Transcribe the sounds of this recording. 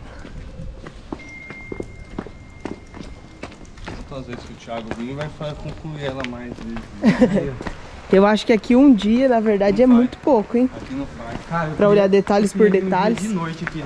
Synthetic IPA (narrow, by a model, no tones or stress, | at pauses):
tɐ̃t̪õɐzvezɪ̥skɪʊt͡ʃiaɡʊvĩɲʊvajfakõkluiɛlɐmajzi | ewaʃʊ̥kɪakʰiũd͡ʒiɐnɐveɾd̪ad͡ʒɪɛmũj̃t̪ʊ̥pokʊẽj̃akinɐ̃pakaepɾɐoʎaɾd̪et̪aʎɪspoɾd̪et̪alɪsɪnojt͡ʃɪki